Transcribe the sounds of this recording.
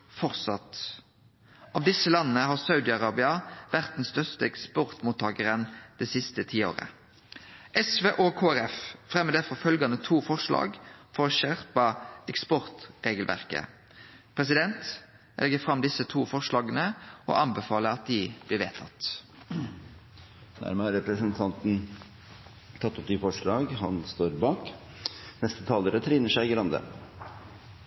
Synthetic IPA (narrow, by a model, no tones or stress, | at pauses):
fɔʁsɑt̪ | ɑːʋd̪ɪsəlɑnːənəɦɑːsɑʉd̪ɪɑʁɑːbɪɑʋæʁt̪̚dn̩st̪œʁst̪əɛkspɔʁt̪muːt̪ʰːɑːɡəʁənd̪̥ɛːsɪst̪ət̪ʰiːo̰ːʁə̰ | ʔɛsʋeːʔɔkʰoːæʁɛffʁɛmːəd̪æfɔfœlɡɑnət̪ʰuːfɔʁʂlɑ̰ːɡfɔɾɔːʃæʁpɑɛkspɔʁt̪ʁeːɡəlʋʔæ̰ʁkə̰ | pʰʁɛs̬ɪd̪ɛnt̪ | ʔɛ̰ɛɡəfʁɑmd̪ɪsət̪ʰuːfɔʁʂlɑːɡənəo̰ʔɑnbɛfɑːləɾɑt̪̚d̪ɪblɪːʋḛːt̪ʰɑ̰t̪ | næ̰ɾməhɑɾɛpɾəsənt̪ʰɑnt̪n̩ | t̪ʰɑt̪ːɔp̚d̪ɪfɔʂɭɑːɡhɑnst̪oːɾbɑːk | nɛst̪ət̪ʰɑːləɾət̪ʰɾiːnəʂæɪɡɾɑnd̪ə̰